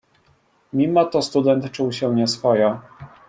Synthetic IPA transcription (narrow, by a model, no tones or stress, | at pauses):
mʲimɔt̪ɔst̪ud̪ɛnt̪t͡ʂuwɕɛɲɛsfɔja